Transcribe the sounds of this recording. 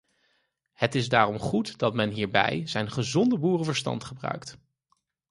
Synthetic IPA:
hətɪzdaːrɔmχutd̥ɑtmɛnɦiːɹbɛ̰jzɛjnχəzɔndəbuːrəvəɹstɑ̰ntχəbrœ̰ɥkt

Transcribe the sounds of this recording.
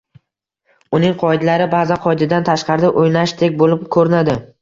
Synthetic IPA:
ʊnɪŋqʰɒɪd̪laɾɪbaːzanqʰɒɪd̪ɪd̪ant̪ʰaʃqʰɑɾd̪ɪʔojnaʃt̪ʰek̚ʲbolɪpkʰɵɾɪnad̪ɪ

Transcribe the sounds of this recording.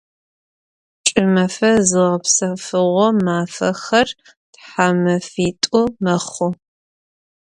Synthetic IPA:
t͡ʃʼɪmɐfɐzɨʁɐpsɐfɨʁʷɔmaːfɐxɐr | tħamɐfiːtʼʊmɐχʊ

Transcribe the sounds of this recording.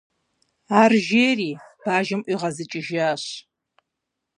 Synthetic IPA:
aːrʒeːriːb̥aːʒɪmʔʷiːʁɐzɨt͡ʃʼɪʒaːɕ

